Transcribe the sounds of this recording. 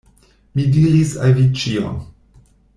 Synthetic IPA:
midiɾisavit͡ʃio̰n

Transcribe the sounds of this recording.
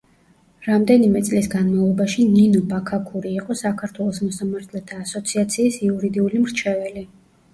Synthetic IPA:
ɾamd̪ɛnimɛt̪sʼlisɡanmavlˠɔbaʃininɔbakʰakʰuɾiːqʼɔsakʰaɾt̪ʰwɛlˠɔsmɔsamaɾt̪ʰlɛt̪ʰaːsɔt̪sʰiat̪sʰiːsiuɾid̪iulimɾt͡ʃʰɛvɛli

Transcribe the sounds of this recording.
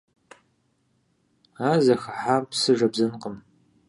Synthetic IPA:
aːzɐxɐħaːmpsɨʒɐbzɐnqəm

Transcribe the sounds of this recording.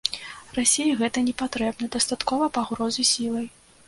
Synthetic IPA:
rasʲejiɣɛt̪ɐnʲɛpat̪ɾɛbnɐd̪ɐst̪at̪kɔvɐpaɣɾɔzɨsʲilˠɐj

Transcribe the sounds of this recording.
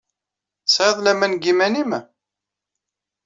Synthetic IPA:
sʕəðˤlæmænɡimænim

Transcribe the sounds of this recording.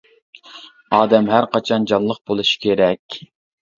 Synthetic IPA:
ɑːd̪ɛmɦæɾqɑt͡ʃʰɑnd͡ʒɑnlˠəq̚bolˠuʃi̥kʲʰeɾɛkʲ

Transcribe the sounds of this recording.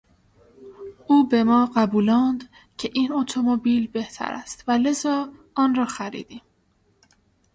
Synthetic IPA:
uːbe̞mɒːɢæbuːlɒːnd̪ | cʰeʔiːnot̪ʰomobiːlbe̞ht̪ʰæ̰ɾæ̰st̪væle̞zɒː | ɒːnɾɒːxæɾḭːd̪̥iːm

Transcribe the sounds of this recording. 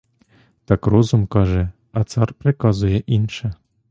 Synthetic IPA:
t̪ɑkrozumkɑʒe | ɑt̪t͡sɑrprʲekɑzujeʔinʃɘ̆

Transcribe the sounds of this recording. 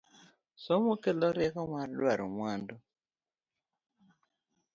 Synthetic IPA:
sɔmukɛlɔɾɛkɔmwaɾlwaɾumwandɔ

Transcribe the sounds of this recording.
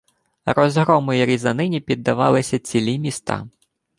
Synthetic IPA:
ɾɔzɦɾɔmʊjiɾʲizɐnɪnʲipʲid̪ːɐʋɑ̰lˠɪsʲɐt͡sʲilʲimʲist̪ɑ̰

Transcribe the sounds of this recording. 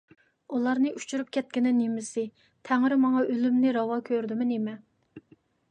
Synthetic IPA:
ulˠɑɾnɨʔyt͡ʃyɾyp̚kʲɛt̪̚kʲɪnɪnemɪsɪ | t̪ʰɛŋɾɪmɑŋɑʔølymnɪɾɑwɑkʲʰøɾd̪ɪmɪnemɛ

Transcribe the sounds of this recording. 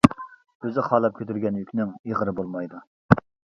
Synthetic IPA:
øzɪχɑːlˠɑp̚kʲʰøt̪yɾɡʲɛnjykʲnɪŋeʁəɾɨbolˠmɑjd̪u

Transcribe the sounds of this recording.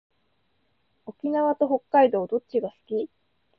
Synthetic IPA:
o̞kʲinaβat̪o̞ɦo̞kːaid̪o̞ːd̪o̞t͡ɕiɡasɨ̥kʲi

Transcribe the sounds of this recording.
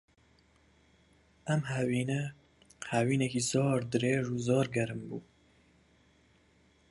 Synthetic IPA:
ɛmɦɛwiːnɛ | hɛwiːnɛkizɑːɾd̪ɨɾeːʒuːzɑːɾɡɛɾɨmbuː

